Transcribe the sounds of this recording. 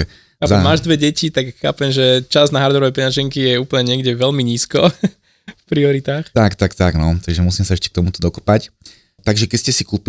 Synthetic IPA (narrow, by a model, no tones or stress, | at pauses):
ɛ | aamaːʒd̪ʋɛɟɛcit̪akxa̰ːpɛmʒɛt͡ʃaznaɦaɾd̪ɔɾɔʋɛpɛɲaʒiŋkijɛuːpl̩ɲɛɲɪɛɡɟɛʋɛlmiɲiːskɔ | fpɾiɔɾit̪aːxt̪akt̪akt̪aɡnɔt̪aɡʒɛmusiːmsaɛʃcɛ̥k̚t̪ɔmut̪ɔ̥d̪ɔkɔ̥pac | t̪aɡʒɛkɛscɛsikuːp